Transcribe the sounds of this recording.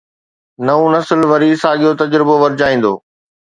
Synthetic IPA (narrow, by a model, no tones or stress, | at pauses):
nɐũnɐsəlʋɐɾisaːɠijot̪ɐd͡ʑɾɪboʋɐɾɪd͡ʑaːĩːn̆d̪oː